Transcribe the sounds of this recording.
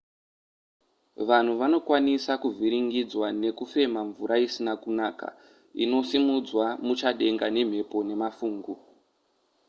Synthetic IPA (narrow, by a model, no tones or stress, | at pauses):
ʋan̤uʋano̞kwanisakuvʱiɾiŋɡid͡zwane̞kufe̞maɱvuɾaisinakunaːka̰ | ḭno̞simud͡zwamut͡ʃaɗe̞ŋɡane̞m̤e̞po̞ne̞mafuːŋɡu